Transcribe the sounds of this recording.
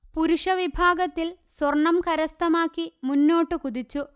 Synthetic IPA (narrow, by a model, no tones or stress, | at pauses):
puɾuʂɐʋibʱaːɡɐt̪ːilswɐrɳːɐmkɐɾɐst̪ɐmaːkːimunːo̞ːʈːɨkuðit͡ɕːu